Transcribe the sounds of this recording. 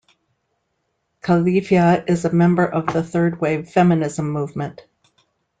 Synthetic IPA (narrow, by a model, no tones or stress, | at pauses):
kʰəliviəɪzɨmɛ̃mbə˞ʔʌvðəθɜ˞d̚weɪv̥fɛmɨnɪzə̃mːuvmɨ̃nt